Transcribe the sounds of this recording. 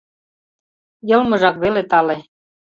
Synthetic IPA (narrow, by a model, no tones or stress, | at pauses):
jɤ̆lmɤ̆ʒɑkβelet̪ɑle